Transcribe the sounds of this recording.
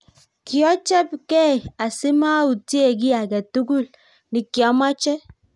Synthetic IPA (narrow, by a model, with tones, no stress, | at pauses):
ki˨ɔ˦t͡ʃɛ˦pkɛ˦˨a˨si˦ma˦u˨te˦˨ɡi˦a˨ɡɛ˨tu˦ɡu˦˨l | ni˨ki˨ɔ˨˦ma˦t͡ʃɛ˦